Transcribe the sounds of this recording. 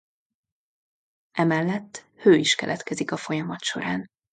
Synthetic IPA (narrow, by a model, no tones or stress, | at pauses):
ʔɛmɛlːɛt̪ː | høːiʃkɛ̰lʔɛt̪kɛzikɒfo̞jɒmɒt̪ʃo̞̰ɾaːn